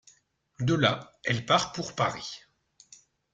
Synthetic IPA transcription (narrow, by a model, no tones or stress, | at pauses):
d̪əlaɛlpaʁpuʁpaʁi